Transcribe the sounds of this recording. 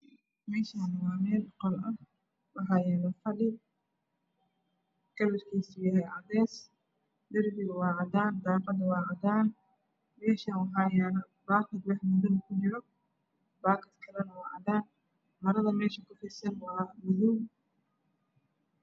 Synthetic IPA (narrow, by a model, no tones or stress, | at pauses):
mɛːʃaːnɐwɑːmɛːlqɔlɐh | wɑħɑjɛːnɐfɐlɪ | kɐlɐrkʰiːsjɐɦɛʕɑðɛːs | d̪ɪrbɪɣɐwɑːʕɑd̪aːnd̪aːbɐd̪ɐwɑːʕɑd̪aːn | mɛːʃɐwɑɦaːjanɐ | baːkʰɐd̪wɑħmʊðɐnɐkʰʊd͡ʒɪɾɔ | baːkɐd̪kʰɐlɐnɐwɑːʕɑ̰d̪aːn | mɐɾɐðɐmɛːʃɐkʰʊħiːsɐnwɑmʊðuːm